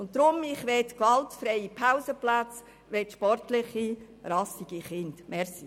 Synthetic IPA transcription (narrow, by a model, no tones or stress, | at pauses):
ʊnttːɾʊmɪχʋɛtkʋɑltfɾɛɪipʰaʊsəplat͡s | ʋɛtʃpɔrtlɪχi | rɑsiɡ̥iχɪndmɛɾsi